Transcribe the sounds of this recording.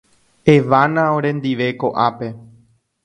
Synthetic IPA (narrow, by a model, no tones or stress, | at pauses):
e̞ʋanãõɾẽ̞nd̪iʋe̞ko̞ʔape̞